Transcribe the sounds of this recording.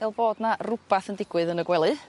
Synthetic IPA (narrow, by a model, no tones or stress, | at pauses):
ɪlˠboːdnarʊb̥aθəndɪɡwɨðənəɡwɛlˠɨ